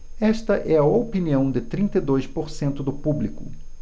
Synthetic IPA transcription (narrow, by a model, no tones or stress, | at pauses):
ɛʃt̪ɐʔɛɐopiniɐ̃w̃d̪ɪt̪ɾĩnt̪ed̪ojspoɾsẽnt̪ʊd̪ʊpublikʊ